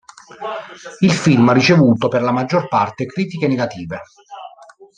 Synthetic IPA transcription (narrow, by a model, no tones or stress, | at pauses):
ilfilmarːit͡ʃevuːt̪operlamad͡ʒːorpart̪ekɾiːt̪ikeneɡat̪iːve